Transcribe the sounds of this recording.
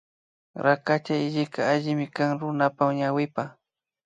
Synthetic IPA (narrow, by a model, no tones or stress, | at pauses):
ɾakat͡ʃaɪʎɪkaːʎɪmɪkaŋɾʊnapamɲawɪpa